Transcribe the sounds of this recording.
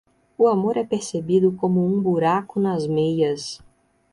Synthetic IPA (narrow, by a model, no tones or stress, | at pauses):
ʊamoɾɛpeɾsebid̪ʊkõmʊũbuɾakʊnɐzmejɐs